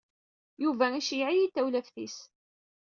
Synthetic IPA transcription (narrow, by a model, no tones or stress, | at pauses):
juvæiʃijʕijit̪ːæwlæfθis